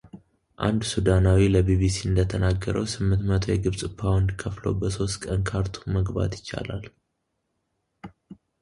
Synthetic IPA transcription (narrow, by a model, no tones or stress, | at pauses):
ʔa̰nd̪sud̪anawiləbiβisiɨnd̪ət̪ʰənaɡːəɾʔə̰wsɨmːɨnt̪mət̪ʰo̞jɛɡɨβsʼɨpʰːawnd̪kʰəflo̰bəso̞st̪kʼənkʰaɾt̪ʰu̥məɡba̰t̪jɪt͡ʃːa̰la̰l